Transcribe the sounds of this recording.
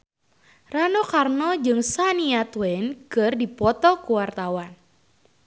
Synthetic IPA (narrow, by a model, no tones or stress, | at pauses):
ranɔkarnɔd͡ʒɨŋsaniat̪wɛnkɨrdipɔt̪ɔkuwart̪awan